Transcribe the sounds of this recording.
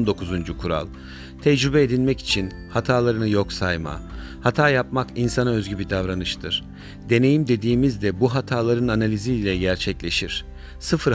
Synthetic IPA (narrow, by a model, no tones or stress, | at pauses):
nd̪o̞kʰuzund͡ʒukʰuɾa̰lˠ | t̪ʰɛd͡ʒɾybɛed̪ilʲmɛci̥t͡ʃʰin | hat̪ʰaːlˠaɾɯnɯjo̞ksajma̰ | hat̪ʰaːjapmakinsanaø̞zɟybid̪avɾanɯʃt̪ʰɯɾ̥ | d̪e̞ne̞jimd̪e̞d̪iːmizd̪ɛbuɦat̪ʰaːlˠaɾɯnanalʲiziːlʲɛɟæɾt͡ʃʰɛclʲe̞ʃiɾ̝̥ | sɯfɯɾ